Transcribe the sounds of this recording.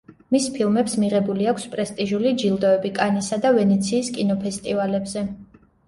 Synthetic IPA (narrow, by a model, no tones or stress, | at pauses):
mispʰilˠmɛpsmiʁɛbuliakʷʰspʼɾɛst̪ʼiʒulid͡ʒilˠd̪ɔɛbikʼanisad̪avɛnɛt̪sʰiːskʼinɔpʰɛst̪ʼivalɛbzɛ